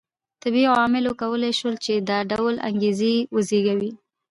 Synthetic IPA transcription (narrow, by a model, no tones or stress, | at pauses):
t̪ɪbiɑmɪlokawəlajʃwəlt͡ʃed̪ɑɖawla̰ŋɡezewəzeɡawi